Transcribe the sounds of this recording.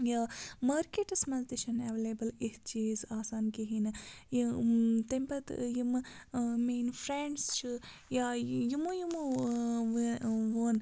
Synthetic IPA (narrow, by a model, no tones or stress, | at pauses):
jamɐːɾkeʈɨsmɐnzd̪iʃɐnɛʋelebɐlitt͡ʃiːzaːsaːnkiɦinjt̪ɐmpɐt̪jimmeːnfʰɾeːɳɖst͡ʃʰi | jajumojum | ʋʋoːn